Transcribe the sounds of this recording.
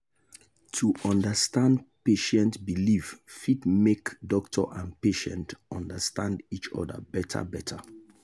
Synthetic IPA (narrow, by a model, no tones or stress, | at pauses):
tʰuʔɔ̃ndəstãndpeʃɛ̃ntbilivfidmekdɔktʰɔʔãnpeʃɛ̰̃ntɔ̃ndəstãndit͡ʃɔ̰də̰bɛtʰə̰bɛtʰə